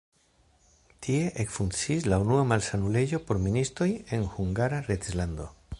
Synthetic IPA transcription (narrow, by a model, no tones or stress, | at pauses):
tʰie̞ʔekfunt͡siːslaunuamalsanule̞d͡ʒo̞po̞ɾministɾo̞je̞nhuŋɡaɾaɾetzlando̞